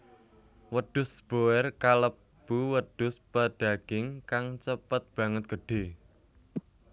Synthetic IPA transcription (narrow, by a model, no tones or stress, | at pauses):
wəɖ̥ʊsb̥oɛrkalə | b̥uwəɖ̪̥ʊspəɖ̥a̤ɡ̥ɪŋkaŋt͡ʃəpət̪̚b̥ä̤ŋət̪̚ɡ̥ə̤ɖ̥e̤